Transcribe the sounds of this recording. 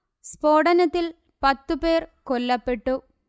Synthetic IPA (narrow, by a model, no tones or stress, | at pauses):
spoːɽɐnɐt̪ːil | pɐt̪ːupeːrkɔlːɐpːeʈːu